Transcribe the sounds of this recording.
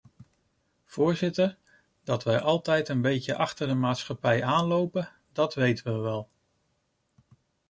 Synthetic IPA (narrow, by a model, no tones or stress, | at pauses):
v̥ʊːɹzɪtəɹ | d̥ɑtʋɛjʔɑlˠtɛjtənbejcəʔɑχtəɹdəmaːtsχɑpɛjaːnlowpə | dɑtʋejtəʋəʋɛlˠ